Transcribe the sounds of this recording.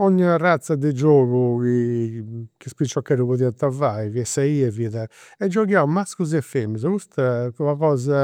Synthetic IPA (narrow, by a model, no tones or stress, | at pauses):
ɔɲːirat̪sad̪ɛd͡ʒoːɣuki | kispɾit͡ʃːɔkːɛːɾuβɔðiat̪avaiviɛsaiɛviðɛɛd͡ʒːɔɣjawmaskuz̬ɛfɛmz̬kust̪akɔaɣɔːza